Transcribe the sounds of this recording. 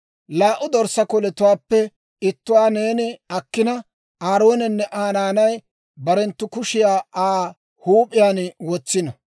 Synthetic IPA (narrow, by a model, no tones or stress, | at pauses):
laːʔʊd̪ɔɾsɐkɔlɛt̪ʊwaːpːɛ | ɪt̪ːʊwaːneːnɪɐkːɪnɐ | aːɾo̞ːnɛnːɛʔaːnaːnɐj | bɐɾɛnt̪ːʊkʊʃɪjaːaː | huːpʼːɪjaːnwɔt͡sːɪnɐ